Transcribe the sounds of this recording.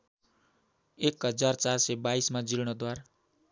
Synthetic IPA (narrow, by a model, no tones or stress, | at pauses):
ekɦʌd͡zart͡sarsebaismad͡zilɽ̃ʌd̪waɾ